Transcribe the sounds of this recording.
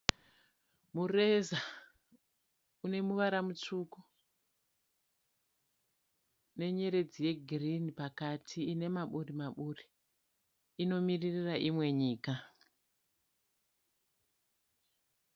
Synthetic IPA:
mure̞za | une̞muʋaɾamut͡ʂuko | ne̞ɲe̞ɾe̞d͡zije̞ɡʱirinipakatʰiine̞maɓurimaɓuri | ino̞miririraʔimwe̞ɲiːka

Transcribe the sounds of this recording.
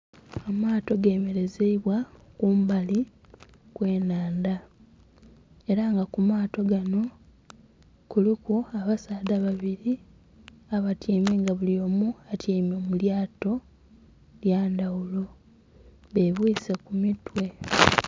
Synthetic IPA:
amaːto̞ɡe̞ːme̞ɾe̞zeiβwakuːmbali | kwe̞ːnaːnda | eɾaŋɡakumaːto̞ɡano̞ | kulikuaβasaːdaβaβiɾi | aβatʰiːmeːŋɡaβulio̞muatʰiːmomuljaːto̞ | ljaːndawulo̞ | βeβwiːsekumitwe̞

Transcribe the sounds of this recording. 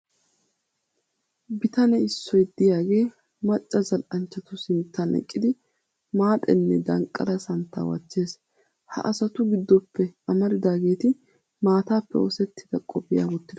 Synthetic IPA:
bɪt̪ɐnɛɪsːɔjd̪̥ɪjaːɡe̞ː | mɐt͡ʃʼːɐzɐlʔɐnt͡ʃːɐt̪ʊsɪnt̪ːɐnʔɛ̰kʼːɪd̪ɪ | maːt̪ʼɛ̰nːɛd̪ɐŋkʼːɐ̰ɾɐsɐnt̪ːa̰ːwɐ̰t͡ʃːe̞ːs | hɐ̰ʔɐsɐt̪ʊɡɪd̪ːɔpːɛɐmɐɾɪd̪aːɡe̞ːt̪ɪ | maːt̪aːpːɛ̰ɔsɛt̪ːɪ̥d̪̥ɐkʼɔbɪja̰ːwʊt̪ːɪd̪

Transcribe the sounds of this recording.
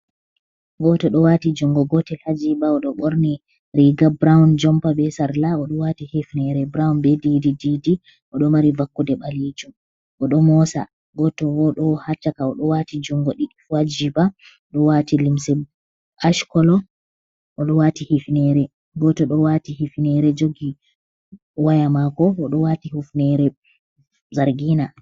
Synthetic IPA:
ɡɔtɔɗɔwatid͡ʒuŋɡɔɡɔtɛlhad͡ʒibaɔɗɔɓɔɾni | ɾiɡabɾawnd͡ʒɔmpabɛsaɾlaɔɗɔwatihifnɛɾɛbɾawnbɛdidididi | ʔɔɗɔmaɾivakːudɛɓalid͡ʒum | ʔɔɗɔmɔsa̰ | ɡɔtɔwɔɗɔhat͡ʃːakaɔɗɔwatid͡ʒuŋɡoɗi | wad͡ʒiba | ɗɔwatilimsɛ | aʃkɔlɔ | ʔɔɗɔwatihifnɛɾɛ | ɡɔtɔɗɔwatihifnɛɾɛd͡ʒoɡi | wajamakɔɔɗɔwatihufnɛɾɛ | zaɾɡina

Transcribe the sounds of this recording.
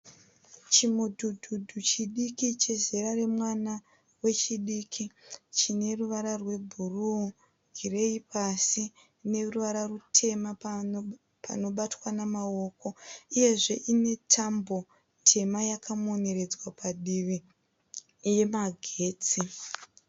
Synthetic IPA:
t͡ʃimudʱudʱudʱut͡ʃiɗikit͡ʃe̞ze̞ɾare̞mwana | we̞t͡ʃiɗiːkʰit͡ʃine̞ruʋaɾarwe̞bʱuru | ɡʱire̞ipasi | ne̞ruʋaɾarutʰe̞ma | pa̰no̞ɓatwanamao̞ko̞uje̞ʐe̞ʔine̞tʰambo̞ | tʰe̞majakʰamo̞ne̞ɾe̞d͡zwapaɗii | je̞maɡʱe̞ːt͡si

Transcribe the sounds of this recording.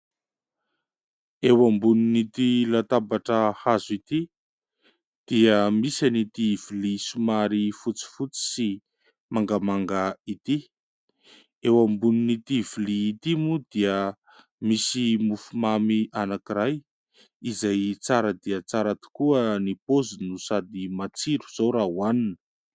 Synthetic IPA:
ewambuninit̪ilat̪abaʈ͡ʂəhazit̪i | d̪̥iəmisanit̪iv̥ilisumaɾifut͡si̥fut͡si̥si | maŋɡamaŋɡait̪i | ewambuninit̪iviliːt̪imud̪iə | misimufumamiʔanakiɾaj | izajt͡saɾəd̪iət͡saɾat̪i̥kuənipozinusad̪imat͡siɾu̥z̥awɾaɦuaninə̥

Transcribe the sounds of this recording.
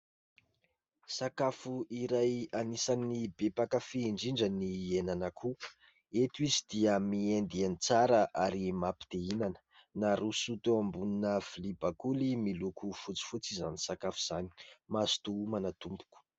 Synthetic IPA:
sakafuʔiɾajanisanibepakəfiːɳɖ͡ʐiɳɖ͡ʐənienanakʰu | et̪uizid̪̥iəmiend̪ianit͡saɾaʔaɾimapi̥d̪̥einanə̥naɾusut̪uambuninəfilibakulimilukufut͡si̥fut͡sizanisakafuz̥ani̥masi̥t̪umanat̪umbu̥ku̥

